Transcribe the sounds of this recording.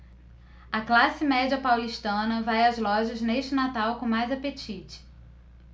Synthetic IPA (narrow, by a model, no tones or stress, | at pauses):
ɐklasɪmɛd͡ʒiɐpawliʃt̪ɐ̃nɐvajɐzlɔʒɐzneʃt͡ʃɪnat̪awkõmajzapet͡ʃit͡ʃɪ̥